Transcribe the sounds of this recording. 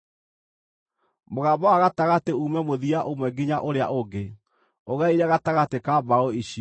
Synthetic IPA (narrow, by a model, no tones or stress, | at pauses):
moɣabɔaɣataɣateumɛmoðiaʔomwɛɡiɲaʔoɾea̰ʔoɡe | oɣaiɾɛɣataɣatekabaoiɕi